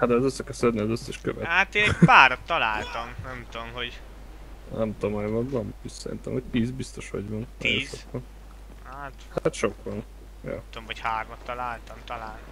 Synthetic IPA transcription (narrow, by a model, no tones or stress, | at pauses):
had̪ɛɒzøsːɛkɛsɛd̪niɒzøsːɛʃkø̰vɛ̰hat̪eːnɛɟpaːɾot̪ːɒlaːlt̪ɒmnɛmt̪omɦoɟ | nɛmt̪omajmɒd̪bɒmisɛɾḭnt̪ɛ̰mhoc̚t̪iːzbist̪o̞ʃhɒ̰ɟvɒnɛjõnʃokʋɒn | hat̪hat̪ʃo̞kʋɒn | jo̰t̪omɦochaːrmɔt̪ːɒlaːlt̪ɒmt̪ɒlaːn